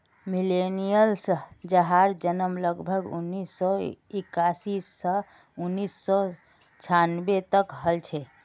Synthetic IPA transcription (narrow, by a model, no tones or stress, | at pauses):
milenijəlsd͡ʒəɦaɾd͡ʒənəmləɡbʱəɡṵnːisːɔekasisːə | unːisːɔ | t͡ʃʰanbet̪əkɦəlt͡ʃʰɛ